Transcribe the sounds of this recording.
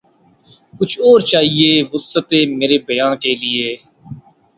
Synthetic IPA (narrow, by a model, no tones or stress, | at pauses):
kʊt͡ʃʰɔːɾt͡ʃaːɦieːʋʊsət̪eːmeːɾeːbəjãːkeːlɪeː